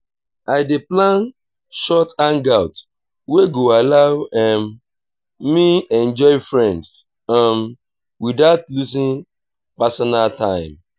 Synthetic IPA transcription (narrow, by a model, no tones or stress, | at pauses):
aɪdeplãn | ʃɔtãnɡaʊt | weɡoalawɛ̃m | miɛ̃nd͡ʒɔɪfɹɛ̃nds | ãm | widatlusĩn | pasɔnaltãɪ̃m